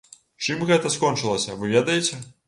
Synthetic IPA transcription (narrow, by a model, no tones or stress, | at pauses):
t͡ʂɨmɣɛt̪ɐskɔnt͡ʂɨlˠɐsʲɐvɨvʲed̪ɐjet͡sʲɛ